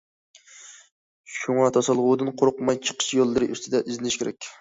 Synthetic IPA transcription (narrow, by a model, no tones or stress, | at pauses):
ʃuŋɑt̪ʰɑsɑlˠʁʊd̪ɨnqʰoɾʊqmɑjt͡ʃʰə̥qʰə̥ʃjolˠːɨɾɨʔyst̪ʰɪd̪ɛʔizlɪnɪʃkʲeɾɛk̚ʲ